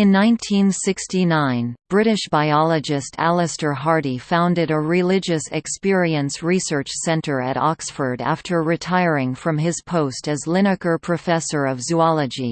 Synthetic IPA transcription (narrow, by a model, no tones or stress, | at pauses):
ɨ̃nːãɪ̃ntʰĩnsɪkstinãɪ̃nb̥ɹɪɾɨʃb̥aɪɑlˠɨd͡ʒɨstʰæ̰lˠɨstə˞ɦɑɹɾifãʊ̃ndɨɾɨɹɪlɪd͡ʒɨsɨkspɪɹiɨ̃nsɹisɜ˞t͡ʃsɛ̃ntə˞ɨ̰ɾɑksfə˞ɾæ̰ftʰə˞ɹɨtʰaɪɹɪ̃ŋfɹʌ̃mɪz̥pʰoʊstɨzlɪñɨkə˞pʰɹ̥ɨfɛsə˞ʌvzuɑlˠəd͡ʒi